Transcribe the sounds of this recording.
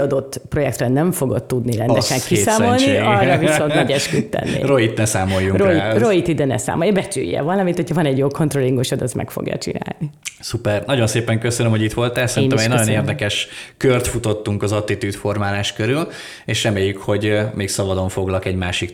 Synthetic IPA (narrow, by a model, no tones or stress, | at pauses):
ɒd̪o̞t̪ːpro̞jɛkt̪rɛnɛɱfo̞ɡot̪ːud̪niɾɛnd̪ɛʃɛŋkisaːmo̞lniɒrːɒviso̞nt̪nɒɟɛʃkyt̪ːɛ̰nːḭroit̪nɛsaːmo̞jːuŋroiroit̪id̪ɛnɛ̰sa̰ːmojɒbɛt͡ʃy̰jːɛ̰vɒlːɒmit̪ʰːocʰɒvɒnɛɟjoːko̞nt̪rolːiŋɡoʃɒd̪ɒsmɛ̰kfo̰ɡjɒ̰t͡ʃḭna̰ːlnisupɛrnɒɟo̞nseːpɛŋkøsønømho̞ɟit̪ʋo̞lt̪ɛːlsɛɾiːnɛmɛɟnɒjoeːrd̪ɛkɛʃkørt̪fut̪o̞t̪ːuŋkɒzɒt̪ːit̪yːt̪fo̞rmaːlaːʃkøɾyl | eːʃrɛmeːjːykho̞ɟmeːksɒvɒd̪o̞ɱfo̞ɡlɒkɛɟmaːʃik